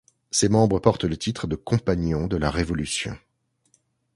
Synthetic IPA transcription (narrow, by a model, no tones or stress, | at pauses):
semɑ̃bʁəpɔʁt̪lət̪it̪χəd̪əkɔ̃paɲjɔ̃d̪əlaʁevɔlysjɔ̰̃